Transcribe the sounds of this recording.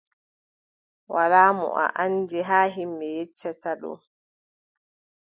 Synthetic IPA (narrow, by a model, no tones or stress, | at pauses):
walaːmɔ̰ʔa̰ʔand͡ʒɛɦaːɦimːɛjɛt͡ʃːataɗɔ̰n